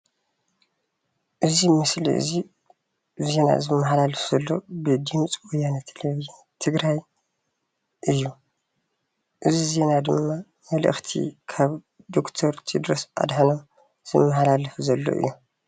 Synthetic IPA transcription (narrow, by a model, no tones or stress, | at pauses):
ʔɨzimɨslḭʔɨ̰zi | ze̞na̰zɨmːɐħalalɨfz̥ɐlːo̞bɨd̪ɨmt͡sʼwojanat̪ʰeleβi | t̪ʰɨɡɾaj | ʔɨjːu | ʔɨzize̞nad̪ɨmːa | mɐlɨ̰xt̪ʰḭkʰaβ | d̪o̞kt̪ʰoɾt̪ʰid̪ɾosʔa̰d̪ħanom | z̥ɨmːɐħalalɐfuzɐlːo̞̰ʔɨ̰jːu